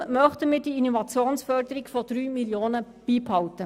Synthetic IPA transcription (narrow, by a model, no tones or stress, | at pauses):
mœχtəmɪːdiːinovɑt͡sjoːnsfœrdəɾikfɔd̥ɾyːmiljoːnə | b̥iːphɑwtə